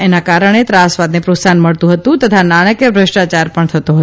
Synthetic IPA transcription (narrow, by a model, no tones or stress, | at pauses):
enakaɾəɳ̃et̪ɾasʋad̪nepɾotsanməɭt̪ũɦət̪ũt̪ət̪ʰanaɽ̃əkjəbɾəʃʈat͡ʃaɾpəɳt̪ʰət̪oɦt